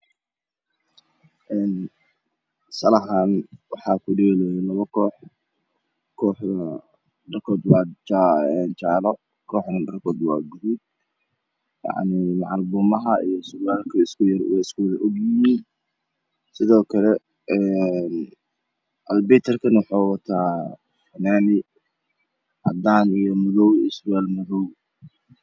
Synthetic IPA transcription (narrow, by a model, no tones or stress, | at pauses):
ʔɛːn | sɐlɐɦaːnwɑħɑːkʰʊɖɛlɛjɛlɐβɐkʰɔːħ | kʰɔːħðɐ | ɖɐrkʰɔːd̪wɑːt͡ʃːɛnt͡ʃɑːlɔ | kʰɔːħnɐɖɐrkʰɔːd̪wɑ̰ːɡʊɾud̪̚ | jɑ̰ʕnimɑʕɑlbʊːmɐɦɐḭjɔsaːlkʰɐɪskʰʊjɐrwɛɪskuːlɐʔɔɡjɪjiːn | sɪðɔːkʰɐlɛ | ɛn | ʔɐlbɛt̪ʰɐrkʰɐnwʊħɑːwɐt̪ʰaː | fɐnaːnɪ | ʔɑd̪aːnijɔmʊðɔwɪswaːlmʊðɔw